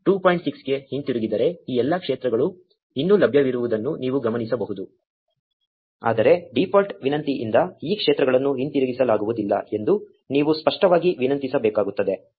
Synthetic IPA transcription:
ʈuːpoːjɳʈsiksɡe̞hint̪iɾuɡid̪ɐɾe̞iːɛlːɐkʂeːt̪ɾɐɡɐɭu | inːulɐbʱjɐʋiɾuʋud̪ɐnːuniːʋuɡɐmɐnisɐbɐɦud̪u | a̰ːd̪ɐɾe̞ɖipʰaːlʈʋinɐnt̪iʔḭnd̪ɐiːkʂeːt̪ɾɐɡɐɭɐnːuɦint̪iɾuɡisɐlaːɡuʋud̪ilːɐ̰e̞nd̪u | niːʋuspɐʂʈɐʋaːɡiʋinɐnt̪isɐbɛːkaːɡut̪ːɐd̪e̞

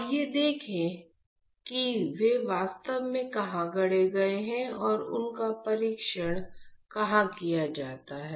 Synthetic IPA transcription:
jed̪eːkʰẽ | kiʋeʋaːst̪əʋmẽkɐɦãɡɐɽeɡɐeɦɛ̃ɔːɾʊ̰nkapɐɾiːkʃəɽ̃kɐɦãkijad͡ʒaːt̪aɦɛː

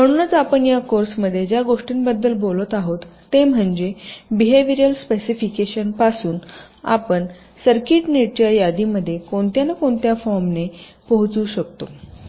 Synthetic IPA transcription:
m̤əɽ̃uːnət͡sapəɳjakoɾsməd̪ʱːjed͡ʑjaɡoʂʈinbəd̪ːəlbolət̪aɦot̪ːem̤əɳd͡ʑebiɦeʋiɾjəlspesifikeɕənpasuːn | a̰pəɳ | səɾkiʈneʈt͡ɕjajad̪iməd̪ʱːjekoɳt̪janakoɳt̪jafɔɾmne | pəɦut͡suːɕək̚t̪o

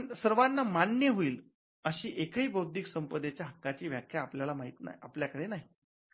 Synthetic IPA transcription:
ɳsəɾʋanːamanjəɦoiːl | əɕiːʔekəiːbəwd̪ʱiksəmpəd̪et͡ɕjaɦəkːat͡ɕiːʋjakʰjaːpljalamaɦit̪na̰ɦiapljakəɽenaɦi

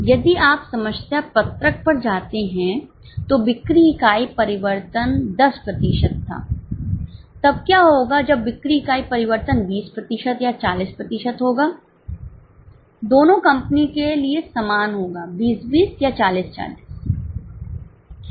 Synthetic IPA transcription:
jɐd̪iʔaːpsɐməʃsjapɐt̪ɾək̚pɐɾd͡ʒaːt̪eɦɛ̃ | t̪obɪkɾikaːipɐɾɪʋəɾt̪ənd̪ɐspɾɐt̪iʃət̪ʰːa̰ː | t̪ɐb̚kjaːɦoːɡad͡ʒɐbːɪkɾikaːipɐɾɪʋəɾt̪ənbiːspɾɐt̪ɪʃət̪jat͡ʃaːliːspɾɐt̪ɪʃət̪ɦoːɡaː | d̪oːnõkɐ̃mpnikeliesɐmaːnɦoːɡaːbiːsbiːsjat͡ʃaːliːst͡ʃa̰ːliːs

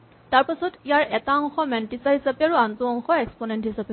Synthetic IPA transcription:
taɹpasɔtijaɹɛtaɔŋxɔmɛntisaɦisapeaɹuantuɔŋxɔɛksponɛntɦisape

